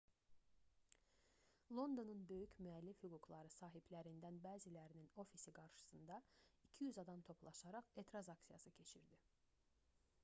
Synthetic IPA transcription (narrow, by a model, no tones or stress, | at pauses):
lˠo̞nd̪o̞nunbø̞jycʰmyælːifhyɡuɡlˠɑɾɯsɑːɦiblæɾind̪ænbæːzilæɾinino̞fisiɡɑɾʃɯ̥sɯnd̪ɑicʰijyzɑd̪ɑmt̪ʰo̞pʰlˠɑ̰ʃɑɾɑχet̪ʰɾɑzɑksijɑ̰sɯcʰe̞t͡ʃʰiɾd̪i